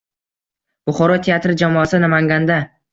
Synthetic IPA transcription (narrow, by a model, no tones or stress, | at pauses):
b̥ʊχɒɾɒt̪ʰeat̪ɾɪd͡ʒamɒasɪnamaŋɡʲand̪a